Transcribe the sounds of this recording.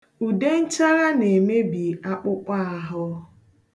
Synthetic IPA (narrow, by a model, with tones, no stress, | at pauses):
u˨de˦n̩˦t͡ʃa˦ɣa˦ne˨me˦bi˨a˦k͡pʊ˦k͡pa˦a˨ɦʊ˦